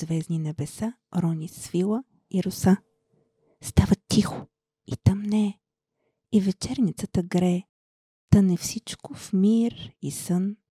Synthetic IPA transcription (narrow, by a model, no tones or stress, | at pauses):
vɛzninɛbɛsa | ɾɔnisvilˠə | iɾʊsa | st̪avət̪ixo̥ | it̪amnɛ | ivɛt͡ʃɛɾnit̪sət̪əɡɾɛ | t̪ənɛfsit͡ʃkʊfmiɾisən